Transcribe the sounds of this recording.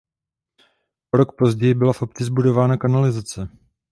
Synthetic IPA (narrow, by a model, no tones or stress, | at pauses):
ʔoɾo̞kpo̞zɟɛjɪbɪlafʔo̞pt͡sɪzbudo̞vaːnakanalɪzat͡sɛ